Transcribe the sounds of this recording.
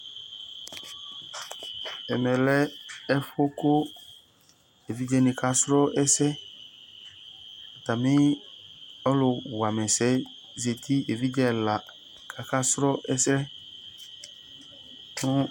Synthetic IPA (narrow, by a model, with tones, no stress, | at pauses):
ɛ˨mɛ̃˨lɛ˦ɛ˦fʊ˦kʊ˦ | e˨vi˦d͡ʒɛ˦nĩ˨ka˦sɾɔ˦ɛ˦sɛ˦ | a˨t̪a˨mĩ˦ | ɔ˦lʊ˨˧wa˨mɛ̃˨sɛ˨˦ | ze˨t̪i˦e˨vi˦d͡ʒɛ˦la˨ | kʰa˨ka˦sɾɔ˦ʔɛ˦sɾɛ˦ | nũ˦